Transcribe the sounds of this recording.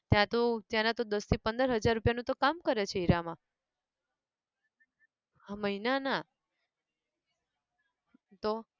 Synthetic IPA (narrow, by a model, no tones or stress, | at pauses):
t̪jãt̪õt̪jãnat̪od̪əst̪ʰipənd̪əɾɦəd͡ʒaɾːupjanũt̪okamkəɾet͡ʃʰeiɾamã | məɦinana | t̪o